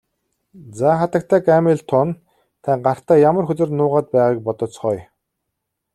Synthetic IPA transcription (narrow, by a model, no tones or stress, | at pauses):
t͡saχat̪ə̆k̚t̪ʰæːkæmeɮt̪ʰʊn | t̪ʰæŋɢar̥t̪æːjamə̆rxɵt̪ɘ̆rnʊːʁaːt̪̚pæːʁaːk̚pɔt̪ɞ̆t͡sχɔj